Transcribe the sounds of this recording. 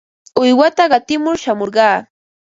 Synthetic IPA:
ʊjwat̪aɢɑt̪ɪmʊɾʃamoɾɢɑː

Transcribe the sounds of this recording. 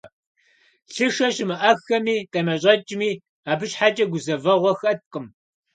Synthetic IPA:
ɬɨʂɐɕmɨʔɐxɐmiːqʼɐmɐɕʼɐt͡ʃʼɪmiː | aːbɨɕħat͡ʃʼɐɡʷʊzɐvɐʁʷɔxɐt̚qʼəm

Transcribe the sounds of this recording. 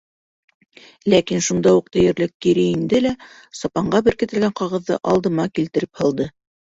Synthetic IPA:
lækinʃund̪ɑuq̚t̪ɘ̆jɘ̆ɾlɘkːiɾɘind̪ɘlæ | sɑpɑɴɢɑbɘ̆ɾkɘ̆t̪ɘ̆lɡæɴqɑʁɤ̆ðːɤ̰ʔɑlˠd̪ɤ̆mɑkilt̪ɘ̆ɾɘphɤ̆lˠd̪ɤ

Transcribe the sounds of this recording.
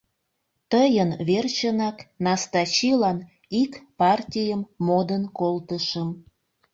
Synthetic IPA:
t̪əjənβert͡ɕənɑknɑst̪ɑt͡ɕilɑn | ikpɑrtʲijəmːod̪ənkolt̪əʃəm

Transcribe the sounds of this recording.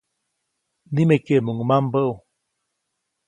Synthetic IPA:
nimekeʔmuŋmambəʔu

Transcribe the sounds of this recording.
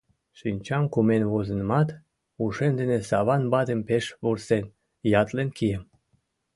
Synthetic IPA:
ʃinʲt͡ɕɑmkumenβozənmɑt̪ | uʃend̪enesɑβɑnbɑt̪empeʃβursen | jɑt̪lenkiəm

